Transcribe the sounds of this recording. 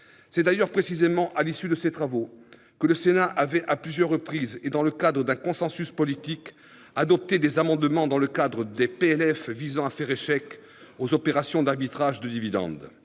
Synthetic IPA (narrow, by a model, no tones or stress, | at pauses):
sɛd̪ajœʁpχesizemɑ̃ʔalisyd̪əset̪χavo | kələsenaʔavɛʔaplyzjœʁːəpχized̪ɑ̃ləkad̪ʁəd̪ɛ̃kɔ̃sɑ̃syspɔlit̪ik | ad̪ɔp̚t̪ed̪ezamɑ̃d̪mɑ̃d̪ɑ̃ləkad̪ʁəd̪epeɛlɛfvizɑ̃afɛʁeʃɛk | ozɔpeʁasjɔ̃d̪aʁbit̪χaʒd̪əd̪ivid̪ɑ̰̃d̪